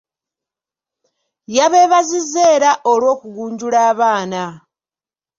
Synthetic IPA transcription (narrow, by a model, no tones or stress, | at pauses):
jaβeːβazizeːɾaʔo̞lwo̞ːkuɡuːɲɟulaːβaːna